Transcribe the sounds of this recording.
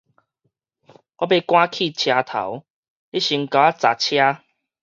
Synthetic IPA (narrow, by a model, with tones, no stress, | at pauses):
ʔɔ˦be˧kwã˦kʰi˥˧˨t͡ɕʰja˧t̪ʰa̰˨˦w | li˦ɕi˨˧˦ŋka˨˦a˦t͡sa˨˩t͡ɕʰja˦